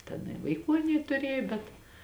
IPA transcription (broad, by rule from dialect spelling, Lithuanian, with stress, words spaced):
tʲɛn ɪ ʋɐɪˈkuː ɐˈnʲiɛ tʊˈrʲeːjoː bʲɛt